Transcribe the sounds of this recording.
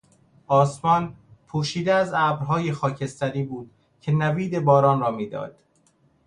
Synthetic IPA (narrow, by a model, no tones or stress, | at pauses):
ʔɒːsmɒːnpʰuːʃiːd̪eæzæːbɾɦɒːje̞xɒːcʰe̞st̪æɾiːbuːd̪̥ | cʰe̞næviːd̪e̞bɒːɾɒːnrɒːmiːd̪ɒ̰ːd̪̥